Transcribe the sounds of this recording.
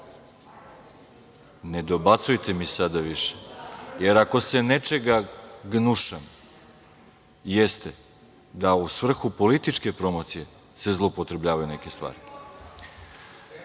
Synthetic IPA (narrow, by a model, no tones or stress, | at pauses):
ne̞d̪o̞bat̪sujt̪ʰe̞misad̪aʋiʃe̥je̞ɾako̞se̞net͡ʃe̞ɡaɡnuʃam | jest̪e | d̪ausʋr̩xupo̞lit̪it͡ʃke̞pɾo̞mot̪sije̞ | se̞zlˠoupo̞t̪ɾe̞bʎaːʋajune̞ke̞st̪ʋa̰ːɾi